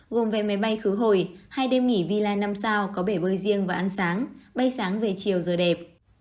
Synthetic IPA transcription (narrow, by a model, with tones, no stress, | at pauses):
ɣo˨˩mve˨˩ma˨˦jɓa˧jxɨ˨˦ɦo˧˩jhaː˧jɗe˧mŋi˧˩vi˧laː˧jna˧msaː˧wkɔ˨˦ɓe˧˩ɓəː˧jzi˧əŋvaː˨˩ʔa˧nsaː˨˦ŋɓa˧jsaː˨˦ŋve˨˩t͡ɕi˨˩əwzəː˨˩ɗɛ˨˩p̚